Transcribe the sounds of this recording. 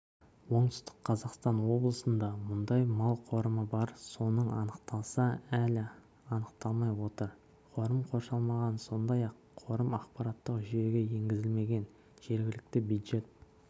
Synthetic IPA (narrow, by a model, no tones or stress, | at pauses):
wo̞ɴt̪ɪ̥st̪ɪ̥qqʰːɑzɑqst̪ɑnwo̞blˠəsənd̪ɑmʊnd̪ɑjmɑlˠqʰo̞ɾəməbɑɾso̞nəɴɑ̰nəq̚t̪ɑlˠsɑælɪ | ɑnəq̚t̪ɑlˠmɑjwo̞t̪əɾ | qʰo̞ɾəmqʰo̞ɾʃɑlˠmɑʁɑnso̞nd̪ɑjɑqʰːo̞ɾəmɑqpɑɾɑt̪ːəqʒʏje̞ɡʲeje̞ŋɡʲɪzɪlme̞ɡʲe̞n | ʒ̥e̞ɾɡʲɪlɪk̚t̪ɪbud̪ʒe̞t̪̚